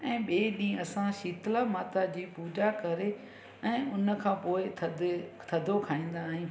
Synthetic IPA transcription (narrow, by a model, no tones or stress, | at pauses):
ɛ̃ːɓeːɗĩːɐsãʃiːt̪lamaːt̪ad͡ʑiːpuːd͡ʑakɐɾe | ɛ̃ːʊnə̆kʰãːpoːɪt̪ʰd̪ | t̪ʰɐd̪ʱokʰaːĩːn̆d̪aːɦĩː